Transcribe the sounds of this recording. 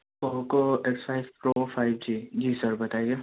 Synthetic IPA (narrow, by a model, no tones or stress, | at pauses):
oɦkoeksfaːɪʋpɾofaːɪbd͡ʒid͡ʒiːsəɾbɐt̪aeje